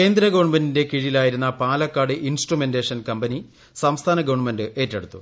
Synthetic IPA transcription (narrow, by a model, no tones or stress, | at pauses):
ke̞ːnd̪ɾɐɡɐʋɐɳmendinde̞kiɻijilaːjiɾunːɐpaːlɐkːaːɽɨʔinsʈrumendeːʂɐnkɐmbɐni | sɐmst̪ʰaːnɐɡɐʋɐɳmendɨʔe̞ːtːeɽut̪ːṵ